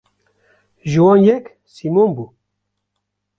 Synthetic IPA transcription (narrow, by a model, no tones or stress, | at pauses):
ʒɨwɑːnjɛk | simonbu